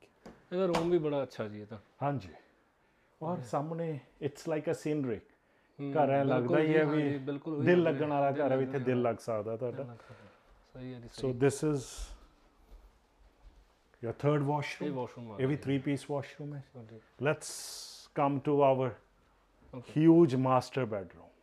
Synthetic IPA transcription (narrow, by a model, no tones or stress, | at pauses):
ɛnaɾõːmbʱibɐɽaɐtːʃʰad͡ʒiɛt̪ʰahãːnd͡ʒiː | ɔːɾsamneɪʈslaɪkəsĩnɾɪk | kːɐɾaɛ̃lɐɡd̪aiɛbiɪlkʊd̪ɪlːəɡəñaːlakɐɾaʋit̪ʰed̪ɪlːɐɡsakd̪at̪ʰaʈa | soːd̪ɪsɪz | jot̪ʰəːɾɖʋɔːʃɾũjeʋʱit̪ʰɾiːpiːsʋɔːʃɾũːmɛ̃ | lɛʈskɐ̃mʈuawəɾ | hjuːd͡ʒmaːsʈəɾbɛːʈɾũːm